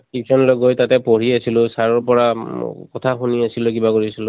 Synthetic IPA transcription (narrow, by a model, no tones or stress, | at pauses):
ip̚sɔnlɔɡojtatɛpoɹiasilʊ̃saɹɔɹpɔɹakɔtʰaxuniasilʊkibakoɹisilʊ̃